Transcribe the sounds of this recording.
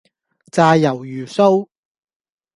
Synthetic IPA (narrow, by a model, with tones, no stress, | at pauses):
t͡saː˧jɐ˨˩wjyː˨˩so˥w